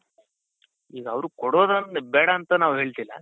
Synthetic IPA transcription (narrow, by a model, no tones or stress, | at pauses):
iːɡɐɐʋɾukɔɽoːd̪ɐnbɛːɽɐːnt̪ɐnaːʋuɦeːɭt̪ilːɐ̰